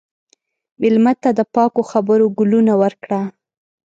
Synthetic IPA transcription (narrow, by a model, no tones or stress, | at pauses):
mɪlmat̪ːad̪əpɑkoxabəɾoɡʊlunawəɾkɽa